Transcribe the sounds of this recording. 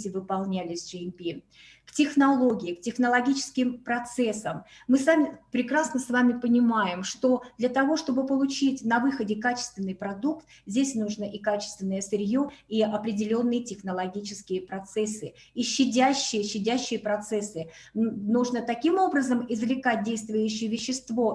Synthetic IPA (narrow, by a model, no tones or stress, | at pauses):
tʲɪvɨpɐlˠnʲælʲɪsʲʐɨmʲpʲi | ktʲɪxnɐlˠo̞ɡʲɪɪktʲɪxnəlˠɐɡʲit͡ɕɪ̥skʲɪmpɾɐt̪sɛsəmːɨsvamʲɪpɾʲɪkɾasnəsvamʲɪpənʲɪmajɪmʂt̪o̞d̪lʲɐt̪ɐvo̞ʂt̪o̞bɨpəlˠʊt͡ɕitʲnɐvɨxədʲɪkat͡ɕɪ̥st̪vʲɪnːɨjpɾɐd̪ukt̪vzʲdʲesʲnuʐnəʔikat͡ɕɪ̥st̪vʲɪnːəjəsɪɾʲjoiɐpɾʲɪdʲɪlʲo̞nːɨjətʲɪxnəlˠɐɡʲit͡ɕɪskʲɪjəpɾɐt̪sɛsːɨ | iɕːɪdʲæɕːɪjəɕːɪdʲæɕːɪjəpɾɐt̪sɛsːɨnuʐnət̪ɐkʲimo̞bɾəzəmɪzvlʲɪkat̚ʲdʲejst̪vʊjʉɕːɪjəvʲɪɕːɪst̪vo̞